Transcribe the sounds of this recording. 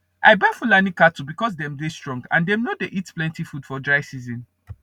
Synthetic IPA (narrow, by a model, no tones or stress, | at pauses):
ʔa̰ɪbaɪfulanikatubikɔs̬dɛ̃mdestɹɔ̃ŋɡã̰ndɛ̃mnodeʔitplɛ̃ntifud̥fɔdɹaɪsizɔ̃n